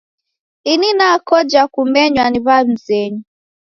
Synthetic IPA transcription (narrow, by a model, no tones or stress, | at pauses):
ininakɔd͡ʒakumɛɲwaniβam̩zɛɲu